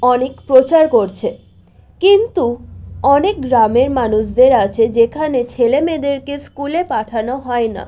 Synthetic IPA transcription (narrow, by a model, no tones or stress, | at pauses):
ɔnekpɾot͡ɕaɾkoɾt͡ɕʰe | kint̪uɔnek̚ɡɾameɾmanuʃd̪eɾat͡ɕʰed͡ʑekʰanet͡ɕʰelemed̪eɾkeskulepaʈʰanoɦɔena̰